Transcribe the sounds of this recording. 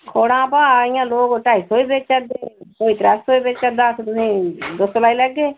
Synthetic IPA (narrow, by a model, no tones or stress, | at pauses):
kʰoːɽãːpaːɪjãːloːɡʈaːiːsoːiːbeːt͡ʃt͡ʃəd̪eːkoːiːt̪ɾɛːsoːibeːt͡ʃt͡ʃəd̪aːset̪ʊsĩːd̪ʊsolaːiːləɡːeː